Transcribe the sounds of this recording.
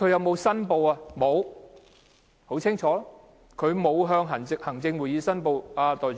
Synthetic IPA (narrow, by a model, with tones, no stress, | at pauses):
kʰɵ˨˧ɥjɐ˨˧wmo˨˧wsɐ˥npo˧wa˨˧mo˨˧w | ho˨˥wt͡sʰɪ˥ŋt͡ʃʰɔː˨˥ɔ˥ | kʰɵ˨˧ɥmo˨˧wɦœː˧ŋɦɐ˨˩ŋɪ˨k̚hɐ˨˩ŋt͡sɪ˧ŋwuː˨˩jiː˨˧sɐ˥npo˧waː˧t̪ɔː˨˩j